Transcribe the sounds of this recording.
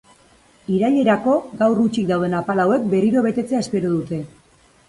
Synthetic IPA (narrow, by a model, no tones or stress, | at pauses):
iɾaʎe̞ɾako̞ɡawrut͡ʃik̚d̪awðe̞napalawe̞k̚be̞riɾo̞βe̞t̪e̞t͡seaespe̞ɾoðut̪e̞